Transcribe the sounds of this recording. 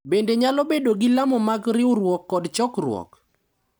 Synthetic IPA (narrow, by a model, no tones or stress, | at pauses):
bendeɲalɔbedoɡɪlamɔmaɡɾɪʊɾwɔkːɔdt͡ʃɔkrwɔ̰k